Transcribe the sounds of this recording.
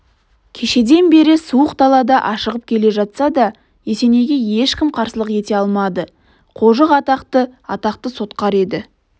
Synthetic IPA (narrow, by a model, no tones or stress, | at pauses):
kʲʰe̞ʃe̞d̪e̞nbe̞ɾɪsuəqd̪ɑlˠɑd̪ɑʔɑʃəʁəp̚kʲʰe̞le̞ʒɑt̪sɑd̪ɑ | je̞se̞ne̞ɡʲe̞je̞ʃkʲɪmqʰɑɾsəlˠəqje̞t̪e̞ɑlˠmɑd̪ə | qʰo̞ʒəqɑt̪ɑqt̪əɑt̪ɑq̚t̪əso̞t̪qɑɾe̞d̪ɪ